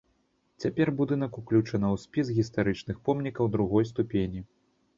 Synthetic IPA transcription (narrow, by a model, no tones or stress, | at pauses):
t͡sʲapʲɛrbud̪ɨn̪ɐkuklʲut͡ʂɐnɐwsʲpʲisɣʲist̪aɾɨt͡ʂnɨxpɔmnʲikɐwd̪ɾuɣɔjst̪upʲenʲi